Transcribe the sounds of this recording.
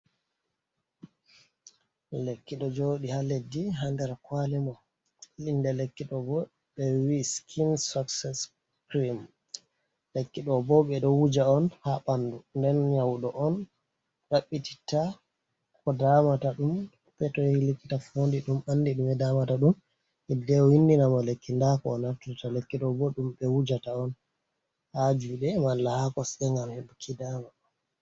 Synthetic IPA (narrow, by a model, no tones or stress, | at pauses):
lekːiɗɔd͡ʒoːɗihaledːiɦandɛɾkwalɛmɔ | lindɛlekːiɗɔbɔ | ɓɛwiskʰinsaksɛs | pɾim | lekːiɗɔbɔɓɛɗɔwud͡ʒaɔnhaɓandundɛnɲawɗɔʔɔn | ɗaɓːiti̥ta | kɔdamataɗum | pɛtɔjɛhilekːitafondiɗumandiɗumɛdamataɗum | ɛdɛɔhindinamalekːindakɔːnatutatalekːiɗɔbɔɗumɓɛwud͡ʒataɔn | had͡ʒuɗɛmalːahakɔsɛŋɡamhɛbukʰːidama